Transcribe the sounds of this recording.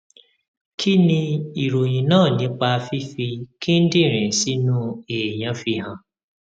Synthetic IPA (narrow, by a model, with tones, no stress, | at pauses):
kʰi˦nĩ˧i˨ɾo˨j̃ĩ˨nãː˦˨nĩ˨˧k͡pa˧fi˦fi˧ki˦n̩˦dĩ˦˨ɾ̃ĩ˨si˦nũ˦eː˨jã˨˦fi˧hã˨